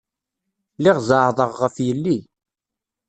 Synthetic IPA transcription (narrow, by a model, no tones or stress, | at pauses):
lɪʁzəʕðˤəʁːəfjəlːi